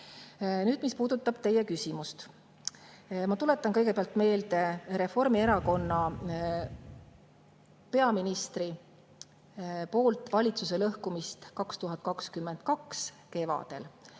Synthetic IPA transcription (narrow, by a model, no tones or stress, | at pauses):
nyːd̪mispuːd̪̥ut̪ːˑɑb̥t̪e̞je̞kysʲimust̪ | mɑt̪ule̞t̪ːˑɑnkɤjɡe̞peɑlt̪ˑme̞ːld̪e̞ɾe̞fo̞rmie̞ɾɑko̞nːɑ | pe̞ɑminist̪ri | po̞ːlt̪ˑvɑlʲit̪suse̞lɤhkumist̪kɑkst̪uɦɑt̪̚ˑkɑkskymːe̞nd̪̥̚kɑks | ke̞vɑ̰d̪̥e̞̰l